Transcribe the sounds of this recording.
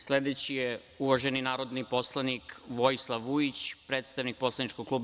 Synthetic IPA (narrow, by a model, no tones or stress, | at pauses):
sled̪et͡ɕije | uʋaʒeninaːɾo̞d̪nipo̞slˠanikʋojislˠaʋːuit͡ɕpɾeːt̪st̪aʋnik̚po̞slˠanit͡ʃkoɡ̚kluːb